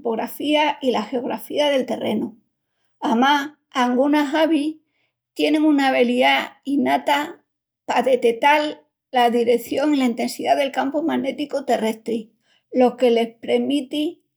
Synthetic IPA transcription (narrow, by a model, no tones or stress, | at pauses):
poɣɾafiailaxe̞o̞ɣ̞ɾa̰fiaðe̞lt̪e̞re̞nu | ama | aŋɡunaɦaβi | t̪je̞nẽ̞ŋunaβe̞liainat̪a | paðe̞t̪e̞t̪alː | aðiɾe̞θjo̞ŋilaint̪e̞nsiðaðe̞lkampomane̞t̪ikot̪e̞re̞st̪ɾi | lo̞ke̞le̞hpɾe̞mit̪i